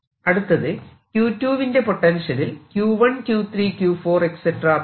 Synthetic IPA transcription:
ɐɽut̪ːɐðɨ | kjuːtːjuːʋinde̞po̞ʈːɐnʂɐlilkjuːʋɐɳkjuːt̪ʰriːkjuːfoːrekseʈːrɐː

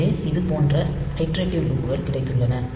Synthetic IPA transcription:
eːɪðɯpoːndrɐɐɪʈɾeːʈːɪʋɾuːpːɯɣɐɭkɪɽɐɪk̪ːɯɭːɐnɐ

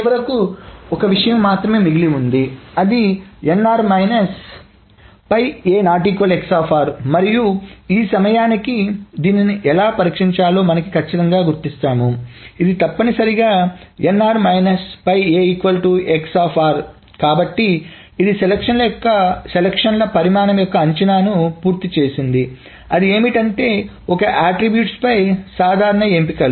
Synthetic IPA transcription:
ʋɐɾɐkuɔkɐʋiʂɐjɐmːaːt̪ɾɐme̞ːmiɡiliund̪iɐd̪ienːaːɾmɐjnɐs | pɐjeːnaːʈiːkʋɐleksaːpʰaːɾmɐɾijuiːsɐmɐjaːnikid̪iːniniʔɛlaːpɐɾiːkʂiɲt͡ʃaːloːmɐnɐkikʰɐt͡ʃːit̪ɐŋɡaːɡuɾt̪ist̪aːnuid̪it̪ɐpːɐnisɐɾiɡaːenːaːɾmɐjnɐspɐjeːikʋɐlʈuʔeksaːpʰaːɾ | kaːbɐʈːiː | d̪iselekʂɐnlɐjɔkːɐselɐkʂɐnlɐpɐɾimaːnɐmjɔkːɐːɲt͡ʃɐnaːnupuːɾt̪it͡ʃe̞ːsind̪i | ɐd̪ie̞ːmiʈɐɳʈe̞ː | ɔkɐʔaːʈɾibjuːʈspɐjsaːd̪ʱaːɾɐɳɐe̞ːmpikɐl

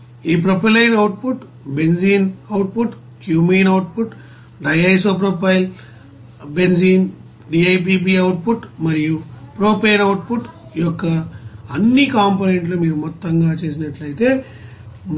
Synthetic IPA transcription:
iːp̬ɾɐpɐlɐjnɐwʈ̚puʈ | be̞nziːnɐwʈ̚puʈ | kjuːmiːnɐwʈ̚puʈ | ɖɐjɐjs̬oːp̬ɾoːpɐjl | be̞nziːn | ɖiːɐjp̬iːp̬iːɐwuʈ̚puʈmɐɾijupɾoːpeːnɐwʈ̚puʈijɔkːɐːnːikaːmpoːneɳʈlumiːɾumɔt̪ːɐŋɡaːt͡ʃe̞ːs̬inɐʈlɐjit̪e̞ː

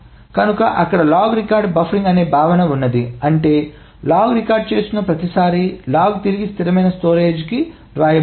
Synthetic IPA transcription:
kɐnukɐʔɐkːɐɽɐlaːɡɾikaːɾɖbɐfʰɾiŋɡɐne̞ːbʱaːʋɐnɐunːɐd̪iɐɳʈe̞ː | laːɡɾikaːɾɖ̚t͡ʃe̞ːst̪unːɐpɾɐt̪isaːɾilaːɡt̪iɾiɡist̪ʰiɾɐmɐjnɐsʈoːɾeːd͡ʒki | ɾʋaːjɐ

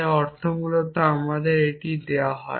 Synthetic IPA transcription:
ɔɾt̪ʰomulot̪oamad̪eɾeʈid̪eaɦɔ̰e

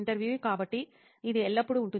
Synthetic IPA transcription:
ɳʈɐɾʋjuːekaːpɐʈːi | ɪðɯɛlːɐpːɯɽɯʊɳʈːɯ

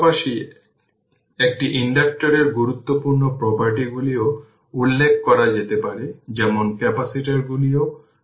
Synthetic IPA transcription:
paʃi | ek̚ʈiʔiɳɖak̚ʈoɾeɾɡuɾut̪ːopuɾnopɾɔpaɾʈiɡulio | ulːekʰkɔɾad͡ʑet̪epaɾed͡ʑɛmonkɛpasiʈaɾɡulio

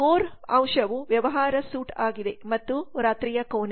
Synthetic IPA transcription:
oːɾɐ̃wʂɐʋuʋjɐʋɐɦaːɾɐsuːʈaːɡid̪e̞mɐt̪ːuɾaːt̪ɾijɐkoːn

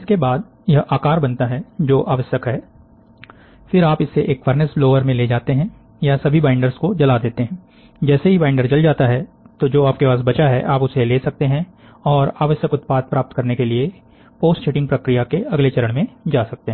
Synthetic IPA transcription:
ɪskebaːd̪ | jɐɦaːkaːɾbɐnt̪aɦɛd͡ʒoːʔaːʋəsjəkɦɛː | fɪɾaːpɪsːeʔeːkʋɐɾnəsbloːʋəɾmẽled͡ʒaːt̪eɦɛ̃ | jasɐbʱibaːɪ̃ɳɖəɾskod͡ʒɐlad̪eːt̪eɦɛ̃ː | d͡ʒɛːseɦibaːɪɳɖəɾd͡ʒɐld͡ʒaːt̪aɦɛt̪od͡ʒoːaːp̚kepaːs̬bɐt͡ʃaɦɛ̰ʔaːpʊseleːsɐk̚t̪eɦɛ̃ | ɔːɾaːʋəsjəkʊt̪̚paːd̪̚pɾaːp̚t̪kɐɾnekelie | poːsʈʃʰeːʈɪ̃ŋɡpɾɐkɾijakeɐɡlet͡ʃɐɾəɽ̃mẽd͡ʒaːsɐk̚t̪eɦɛ̃ː

